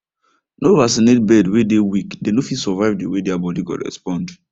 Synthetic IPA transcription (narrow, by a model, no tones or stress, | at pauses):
novasinet̚bɛdwedewikdenofisɔvaɪvdewedɛabɔdiɡɔ̰ɹɛ̰spɔ̃nd